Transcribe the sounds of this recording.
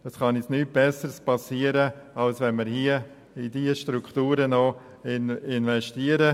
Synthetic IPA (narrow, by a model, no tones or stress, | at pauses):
əsχɑnɛsnyːt̚b̥ɛsəɾspɑsiəɾəɑlsʋɛnməɾhiə | idiəʃtɾukχtuːɾəno | ɪnɪnvɛʃtiəɾə